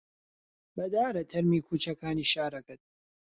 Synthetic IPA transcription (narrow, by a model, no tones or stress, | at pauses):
bɐd̪aːɾɐt̪ʰɐɾmiːkʰuːt͡ʃɐkaːniːʃaːɾɐkɐt̪̚